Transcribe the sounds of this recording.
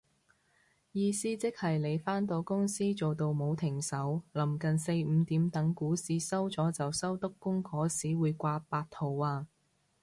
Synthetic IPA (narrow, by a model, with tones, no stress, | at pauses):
jiː˧siː˥t͡sɪ˥k̚hɐ˨jle˨˧jfaː˥nt̪o˧wkʊ˥ŋsiː˥t͡so˨wt̪o˧wmo˨˧wt̪ʰɪ˨˩ŋsɐ˨˥wlɐ˨˩mkɐ˨nse˧jm̩ː˨˧t̪iː˨˥mt̪ɐ˨˥ŋkuː˨˥siː˧sɐ˥wt͡sɔː˨˥t͡sɐ˨wsɐ˥wt̪ʊ˥kːʊ˥ŋkʰɔː˨˥siː˨˥wuː˨˧jkʷaː˧paː˧tt̪ʰo˨waː˧